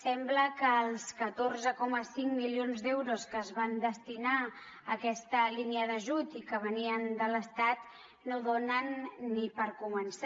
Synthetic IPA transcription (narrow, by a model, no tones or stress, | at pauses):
sɛmbləkəːlˠskət̪orzəkɔməsiŋmilionzd̪ɛwɾoskəːzβand̪əst̪ina | əkɛst̪əliniəðəʒut̪ikəβ̞əniənd̪ələst̪at̪ | noðonənːipəɾkumənsa